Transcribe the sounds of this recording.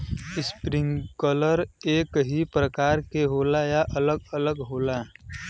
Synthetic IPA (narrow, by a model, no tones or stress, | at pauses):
ɪspɾɪ̃ŋkələɾeːkɦipɾəkaːɾkeɦoːlajaʔələɡ̚ələɡɦoːla